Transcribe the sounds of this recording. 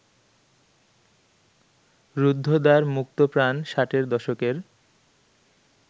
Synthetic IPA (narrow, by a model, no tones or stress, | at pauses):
ɾud̪ʱːod̪aɾmuk̚t̪opɾanʃaʈeɾd̪ɔʃokeɾ